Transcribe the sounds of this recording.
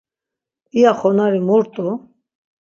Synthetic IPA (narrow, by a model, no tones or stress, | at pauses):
iaχɔnaɾimuɾt̪ʼu